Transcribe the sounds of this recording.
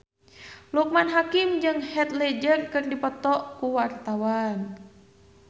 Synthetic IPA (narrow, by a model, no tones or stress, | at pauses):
luk̚manɦakimd͡ʒɨŋhɛt̪lɛd͡ʒərkɨrdipɔt̪ɔʔkuwart̪awan